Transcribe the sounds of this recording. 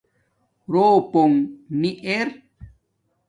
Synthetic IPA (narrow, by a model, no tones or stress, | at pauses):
ɾoːpoŋniʔeɾ